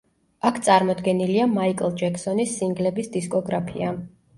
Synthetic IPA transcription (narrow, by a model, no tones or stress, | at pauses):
akʰt̪sʼaɾmɔd̪ɡɛniliamaikʼlˠd͡ʒɛkʰsɔnisːiŋɡlɛbisd̪iskʼɔɡɾapʰḭa